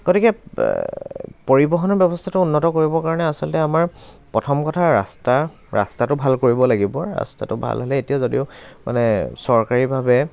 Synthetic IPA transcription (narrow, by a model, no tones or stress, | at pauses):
ɡ̥otikɛ | poɹibɔɦɔnɔbjɔbɔstʰatʊunːɔtɔkoɹibɔkaɹɔnɛasɔlɔtɛamaɹpɹɔtʰɔmkɔtʰaɹa̰sta | ɹa̰statʊbʱalkoɹibɔlaɡibɔɹa̰sta̰tʊbʱa̰lɦɔlɛetijazodiʊmʔa̰nɛsɔɹkaɹibʱabɛ